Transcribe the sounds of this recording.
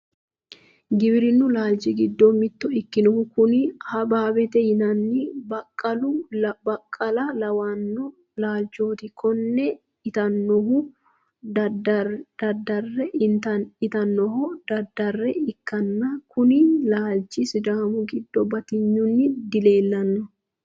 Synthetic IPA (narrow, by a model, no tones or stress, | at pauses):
ɡɪbɪɾɪnːʊlaːld͡ʒɪɡɪd̪ːomɪt̪ːɔɪkːɪnɔhʊkʊnɪhɐbaːbɛt̪ɛjɪnɐnːɪbɐkʼːɐlʊbɐkʼːɐlɐlɐwanːɔ | laːld͡ʒoːt̪ɪkʰɔnːɛ | ɪt̪ɐnːɔɦʊ | d̪̥ɐd̪ːɐrːɛt̪ɐɪt̪ɐnːɔhɔd̪̥ɐd̪ːɐrːɛɪkːɐnːɐkʊnɪlaːld͡ʒɪsɪd̪aːmʊɡɪd̪ːɔbɐt̪ɪɲːʊnːɪd̪ɪle̞ːlːɐnːɔ